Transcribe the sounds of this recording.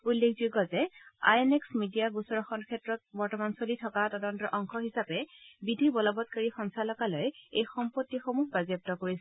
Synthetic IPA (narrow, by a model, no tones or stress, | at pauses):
ulːekʰzuɡɔzɛa̰jeneksmidijabusɔɹɔxɔnkʰɛtɹɔt̚bɔɹtɔmansolitʰɔkatɔdɔntɔʔɔŋxɔxisapɛbidʱibɔlɔbɔt̚kaɹixɔnsalɔkalɔjejxɔmpotːixomuɦbazɔp̚tɔkoɹisɛ